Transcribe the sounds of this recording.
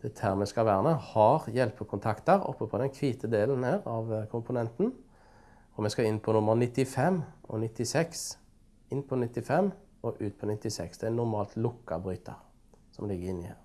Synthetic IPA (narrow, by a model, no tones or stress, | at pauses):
d̪̥ɛt̪ʰæʁmɛskɑʋæːʁənɛhɑʁjɛlpəkʰʊnt̪ʰɑkt̪əʁɔ̰pːəpʰɔd̪ɛnkʰʋiːt̪ʰəd̪eːln̩hæːʁɑʋkʰʊmpʊnɛnt̪n̩ | ɔmɛskɑɪnpʰɔnʊmːəʁnɪt̪ːɪfɛmːɔ̰nɪt̪ːɪsɛks | ɪnpʰɔnɪt̪ːɪfɛmː | ɔʔʉːt̪̚pʰɔnɪt̪ːɪsɛksd̪ɛænʊʁmɑːlt̪lʊkːɑbʁʏːt̪ʰə̰ʁ | sɔmlɪɡːəɾɪnːɪhḛːʁ